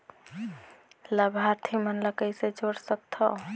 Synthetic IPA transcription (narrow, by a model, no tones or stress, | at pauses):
ləbʱaɾt̪ʰimənləkəjsed͡ʒoɽsək̚t̪ʰɔ